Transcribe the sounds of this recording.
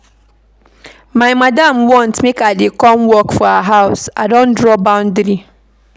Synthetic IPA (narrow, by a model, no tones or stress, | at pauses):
maɪmadamwɔ̃ntmekadekɔmwɔkfɔaɦaʊsadõndɾɔbãʊ̃ndɾi